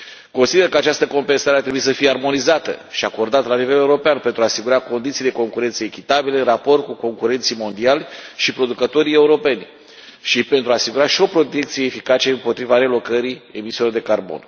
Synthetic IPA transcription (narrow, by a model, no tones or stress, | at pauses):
ko̞nsid̪e̞rkəat͡ʃast̪əko̞mpe̞nsaɾeat̪ɾe̞buisəfijearmo̞nizat̪ə̰ʃiako̞rd̪at̪lanive̞le̞uɾo̞peanpe̞nt̪ɾuasiɡuɾako̞nd̪it̪sijd̪e̞ko̞ŋkuɾe̞nt̪səekʲit̪abileɨnrapo̞rt̪̚kuko̞ŋkuɾe̞nt̪simo̞nd̪ialʲʃipɾo̞d̪ukət̪o̞ɾije̞uɾo̞pe̞nʲ | ʃipent̪ɾuaːsiɡuɾaʃio̞pɾo̞t̪e̞k̚t̪sije̞ːfikat͡ʃe̞ɨmpo̞t̪ɾivaɾe̞lo̞kəɾie̞misilo̞rd̪e̞karbo̞̰n